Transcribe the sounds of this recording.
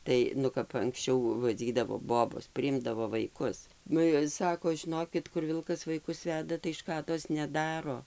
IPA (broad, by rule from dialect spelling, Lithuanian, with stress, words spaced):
ˈtɐɪ ˈnʊ kɐp ɐŋksʲˈt͡ʃʲɛʊ ʋɐˈd͡zʲiːdɐʋoː ˈboːboːs pʲrʲɪˈɪmdɐʋoː ʋɐɪˈkʊs ˈnʊ ɪr ˈsɑːkoː ʒʲɪˈnoːkʲɪt kʊr ˈʋʲɪlˠkɐs ʋɐɪˈkʊs ˈʋʲæːdɐ tɐɪ ˈʃkɑːdoːs nʲɛˈdɑːroː